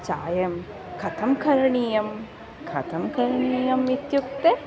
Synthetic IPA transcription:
t͡ʃa̰ːjɐm | kʰɐt̪ʰɐmkʰɐɾɐɳiːjɐm | kʰɐt̪ʰɐmkʰɐɾɳiiːjɐmit̪juk̚t̪e

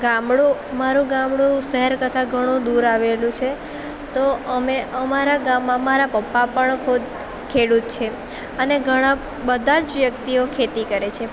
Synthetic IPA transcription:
ɡamɽũmaɾũɡamɽũʃəɦɛɾkət̪ʰaɡʱəɽ̃ũd̪uɾaʋelũt͡ʃʰe | t̪oəmeʔəmaɾaɡamːãmaɾapəpːapəɳkʰud̪̚ | kʰeɽut̪̚t͡ʃʰe | əneɡʱəɽ̃ã | bəd̪ʱad͡ʒʋjək̚t̪iokʰet̪ikəɾet͡ʃʰe

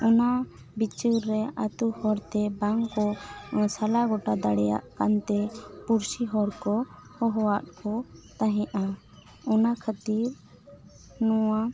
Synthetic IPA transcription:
ɔna | bit͡ʃəɾːɛat̪uhɔɾt̪ɛbaŋkɔsalaɡɔʈad̪aɽɛja̰ʔkant̪ɛpuɾsiɦɔɾkɔhɔɦɔwaʔkɔt̪aɦɛ̃ʔa | ɔnakʰət̪iɾ | nɔwa

